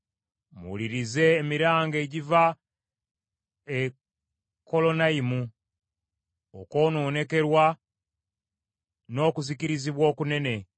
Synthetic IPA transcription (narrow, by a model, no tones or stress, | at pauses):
mṵliɾize̞ːmiɾaːŋɡe̞ɟiva | e | kʰːo̞lo̞naimu | oko̞ːno̞ːne̞ke̞ɾwa | no̞ːkuziciɾiziβwo̞ːkune̞ne̞